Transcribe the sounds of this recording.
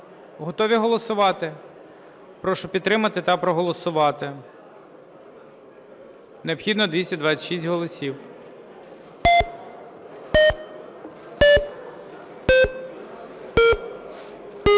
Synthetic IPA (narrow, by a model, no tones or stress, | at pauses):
ɦɔt̪ɔʋʲiɦɔlˠɔsʊʋɑt̪ɪ | pɾɔʃɔpʲid̪t̪ːɾɪmɐt̪ɪt̪ɐpɾɔɦɔlˠɔsʊʋɑt̪ɪ | neɔpxʲid̪nɔd̪ʋʲisʲɐd̪ʋɑt͡sʲɐ̥ʃisʲtʲɦɔlˠɔsʲiw